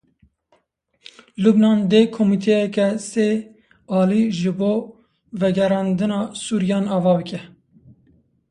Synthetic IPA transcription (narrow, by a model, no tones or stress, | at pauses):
lubnɑːnd̪eːkʰomit̪ʰɛjɛkɛseː | ɑːliʒɨboː | vɛɡɛɾɑːnd̪ɨnɑːsuːɾijɑːnɑːvɑːbɨkʲɛ